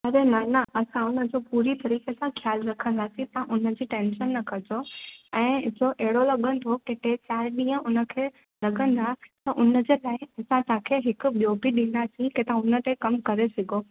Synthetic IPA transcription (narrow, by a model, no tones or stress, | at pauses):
ɐɾenaːnaʔɐsãʊnə̆d͡ʑoːpuːɾit̪ɐɾiːkesãxʰjaːlɾɐkʰə̃nd̪aːsĩt̪ɐãʔʊnə̆d͡ʑiːʈẽːnʃənːɐkɐd͡ʑoɛ̃ːd͡ʑoʔɛɦɪɽolɐɠə̃nd̪ʱokeʈ̪et͡ɕaːɪɗĩːə̃ʔʊnə̆kʰeː | lɐɠə̃nd̪at̪ɐʔʊnə̆d͡ʑeːlaːɪɐsãt̪ãkʰeɦɪkʊ̆ɓijoːbiɗĩːn̆d̪asĩket̪ãʊnə̆t̪ekɐmkɐɾesɪɡʱo